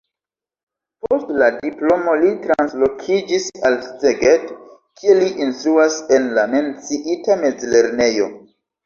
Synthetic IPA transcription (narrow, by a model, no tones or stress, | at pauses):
po̞stladiplo̞mo̞litɾanslo̞kʰid͡ʒisalsteɡet | kʰie̞liʔinsluase̞nlame̞nt͡siʔitame̞d͡zle̞ɾne̞jo̞̰